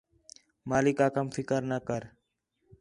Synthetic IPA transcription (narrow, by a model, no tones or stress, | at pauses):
maːlɪkaːkəmfɪkəɾnəkəɾ